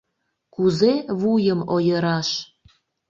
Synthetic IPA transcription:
kuzeβujəmojəɾɑʃ

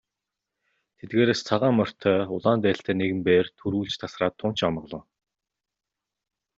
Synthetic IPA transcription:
t̪ʰet̪ɡeːɾeːst͡sʰaʁaːmɔr̥t̪ʰœːʊɮaːnt̪æːɬt̪ʰæːneɣɘ̆mpeːrt̪ʰɵɾuːɮt͡ɕt̪ʰasraːt̪ʰːʊn̥t͡ɕamɞ̆ʁɮɞ̆w

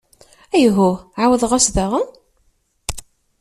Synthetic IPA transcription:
æjɦʊʕawəðˤʁasðaʁən

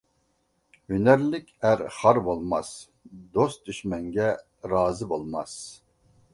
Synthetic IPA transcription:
hynæɾlɪkʲæɾχɑɾbolˠmɑs | d̪ost̪̚d̪yʃmɛŋɡʲɛ | ɾɑːzɨbolˠmɑs

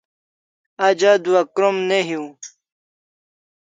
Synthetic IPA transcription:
ad͡ʑad̪uɐkɾomneɦju

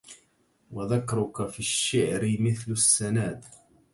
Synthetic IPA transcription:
waðakːɑɾˤʊkafiʃːɪʕɾɪmɪθlʊsːanaːd̪

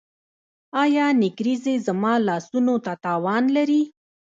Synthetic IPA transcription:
ɑjɑnɪkɾizezamɑlɑsunot̪at̪ɑwɑnlaɾi

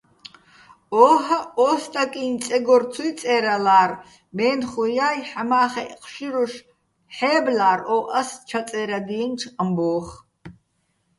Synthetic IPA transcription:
ɔːɦaɔːst̪ʼakʼiːnt͡sʼɛɡɔrt͡sʰujt͡sʼɛːɾalaːr | mɛːnχujaːjħamaːχɛqʼʃiɾuʃ | ħɛːblaːɾɔːʔast͡ʃʰat͡sʼɛːɾad̪iɛnʈ͡ʂʰqʼəmbɔːχ

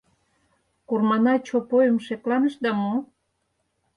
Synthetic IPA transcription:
kurmɑnɑt͡ɕopojəmʃeklɑnə̆ʃd̪ɑmo

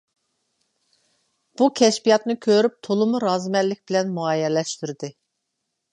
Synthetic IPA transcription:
b̥ukʲʰɛʃpijɑt̪nɨkʲʰøɾyp̚t̪ʰolˠɨmuɾɑːzmɛlːɪk̚ʲbɪlɛnmuɑjɛlɛʃt̪yɾɪd̪ɨ

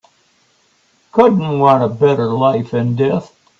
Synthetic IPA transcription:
kʰʊdⁿn̩wɑ̃ñəbɛɾə˞laɪfɨ̃ndɛθ

